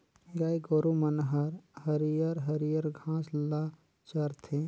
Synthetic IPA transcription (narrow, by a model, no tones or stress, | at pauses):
ɡaːjɡoɾumɐnɦɐɾhɐɾijəɾɦɐɾijəɾɡʱãːsla | t͡ʃɐɾt̪ʰẽ